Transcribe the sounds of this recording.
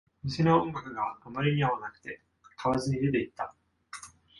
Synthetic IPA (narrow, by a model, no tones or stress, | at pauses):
mʲisenoõŋɡakɯ̟ɡaːmaɾʲiɲ̟iβaβanakɯ̟̥t̪e̞ | kʰaβazɨɲ̟id̪e̞t̪e̞it̪ːa